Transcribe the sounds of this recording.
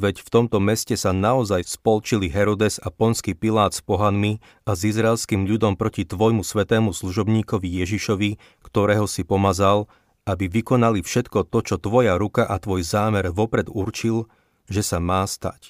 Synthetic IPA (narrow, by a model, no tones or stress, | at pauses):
ʋɛcft̪ɔmt̪ɔmɛscɛsanaɔzajspɔlt͡ʃiliɦɛɾɔd̪ɛzapɔnskiːpilaːt̪spɔɦanmi | azizɾaɛlskiːmʎud̪ɔmpɾɔcit̪ʋɔjmusʋɛt̪ɛːmusluʒɔbɲiːkɔʋijɛʒiʃɔʋi | kt̪ɔɾɛːɦɔsipɔmazal | abiʋikɔnalifʃɛt̪kɔt̪ɔt͡ʃɔt̪ʋɔjaɾukaʔat̪ʋɔjzaːmɛɾʋɔpɾɛd̪uɾt͡ʃil | ʒɛsamaːst̪a̰c